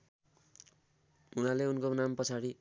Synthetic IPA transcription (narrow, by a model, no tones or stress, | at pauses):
unaleunkonampʌt͡sʰaɽi